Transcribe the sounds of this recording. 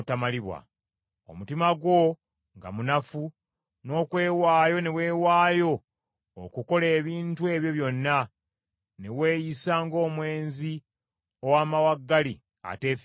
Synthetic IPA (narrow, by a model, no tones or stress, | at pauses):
tamaliβwa̰ | o̰mutimaɡwo̞ | ŋɡa̰munafu | no̞ːkwe̞ːwaːjo̞ne̞we̞ːwaːjo̞ː | kuko̞le̞ːβiːntue̞ːβjo̞βjo̞nːa | ne̞we̞ːjisaːŋɡo̞ːmwe̞ːnzi | o̞waːmawaɡːali | a̰te̞ːf